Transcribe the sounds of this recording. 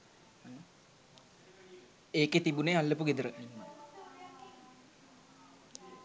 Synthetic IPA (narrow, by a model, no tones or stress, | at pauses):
an | eːket̪ibunealːep̬uɡed̪əɾəʔninːə